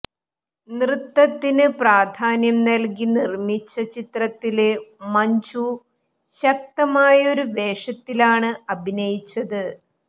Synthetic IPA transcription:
nrɨt̪ːɐt̪ːinɨpraːd̪ʱaːnjɐmnɐlkinirmit͡ɕːɐt͡ɕit̪rɐt̪ːilemɐɲd͡ʑu | ɕɐk̚t̪ɐmaːjɐo̞ɾud̪e̞ːʂɐt̪ːilaːɳɨɐbʱinɐjit͡ɕːɐðɨ

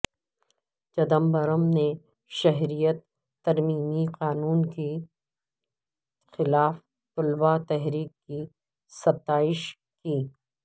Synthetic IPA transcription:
t͡ʃɐd̪əmbɐɾəmne | ʃɐɦɾijət̪ː | ɐɾmiːmiqaːnuːnke | xɪlaːf | t̪ʊlbat̪ɛɦɾiːkːi | sɐb̚t̪aːɪʃ | kiː

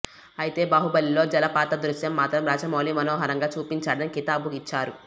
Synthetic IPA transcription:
ɐjit̪e̞ːbaːɦubɐlːilo̞ːd͡ʒɐlɐpaːt̪ɐd̪ɾusjɐmːaːt̪ɾɐmɾaːd͡ʒɐmoːliːmɐnɔːɦɐɾɐŋɡaːt͡ʃuːpiɲt͡ʃaːɽɐnikit̪aːbukit͡ʃːaːɾu

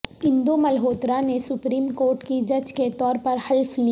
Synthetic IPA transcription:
ɪ̃nd̪omɐlɦoːt̪ɾanesʊpɾiːmkoːɾʈkid͡ʒɐd͡ʒket̪ɔːɾpɐɾhɐlfli

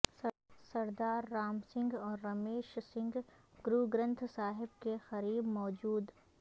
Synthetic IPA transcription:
sɐɾd̪aːɾːaːmsɪ̃ŋɡɔːɾːɐmeːʃsɪ̃ŋɡɡɾuɡɾə̃nt̪ʰsaːɦɪb̚kexɐɾiːbmɔːd͡ʒuːd̪

